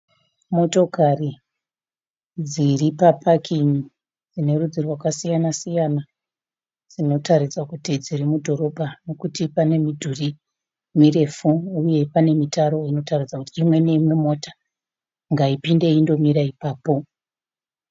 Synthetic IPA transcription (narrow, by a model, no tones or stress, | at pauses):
mo̞to̞kari | d͡ziripapʰakʰiɲi | d͡zine̞rud͡zirwakasijanasijana | d͡zino̞taɾid͡zakutid͡ziɾimudʱo̞ɾo̞bʱano̞kutipane̞midʱuri | mire̞fuuje̞pane̞mitaɾo̞ino̞tarid͡zakutiːmwe̞neimwe̞mo̞tḁ | ŋɡaipinde̞indo̞miɾaipaːpo̞